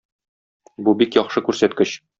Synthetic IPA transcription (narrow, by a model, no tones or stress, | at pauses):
bubikjɒχʃɤkʉɾsæt̪kɘɕ